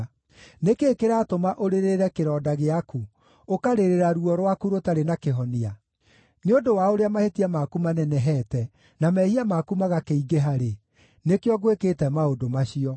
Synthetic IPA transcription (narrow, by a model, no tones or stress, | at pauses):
nekeːkeɾaːtomaʔoɾeɾeɾɛkeɾɔːdaɣeaku | okaɾeɾeɾaɾuɔɾwakuɾotaɾenakeɦɔnia | neondowaoɾeamahetiamakumanɛnɛɦɛtɛ | namɛhiamakumaɣakeiɡeɦaɾe | nekeɔɣweketɛmaodomaɕiɔ